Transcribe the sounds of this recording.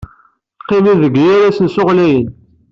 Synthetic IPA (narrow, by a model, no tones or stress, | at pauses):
qːimiðəɡjæɾæsənsʊʁlæjən